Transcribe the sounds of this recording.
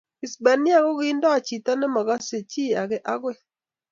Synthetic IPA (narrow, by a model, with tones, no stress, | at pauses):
i˨sbɛ˨nɪ˦a˦ɡo˦ɡi˦ndɔ˦a˨t͡ʃi˨t̪a˦nɛ˦ma˨ɡa˦se˨t͡ʃi˦a˨ɡɪ˨ʔa˦ɡwe˦˨